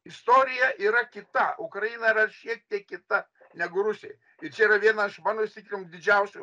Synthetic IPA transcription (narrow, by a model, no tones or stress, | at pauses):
ɪst̪oːɾʲɪjɛiːɾɐkʲɪt̪ɐʊkɾɐjinɐɪɾɐʃʲiɛk̚t̪ʲiɛkkʲɪt̪ɐ | nʲæɡʊɾʊsʲɪ̰j | ɪɾt͡ʃʲɛiːɾɐʋʲiɛnɐɪʃmɑːnosʲt̪ʲɪkʲɾʲɪmmd̪ʲɪd͡ʒʲɛʊsʲʊ